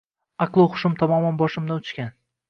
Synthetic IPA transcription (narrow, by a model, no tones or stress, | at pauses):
ɑqlˠɨχʊ̥ʃʊmt̪ʰɒmɒmanbɒʃɪmd̪anʊt͡ʃkʲan